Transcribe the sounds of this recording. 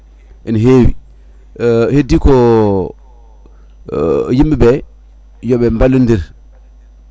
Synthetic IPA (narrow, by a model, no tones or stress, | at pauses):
ʔɛnɦewi | hedikɔ | jimbibɛ | jɔɓɛmbalːundiɾ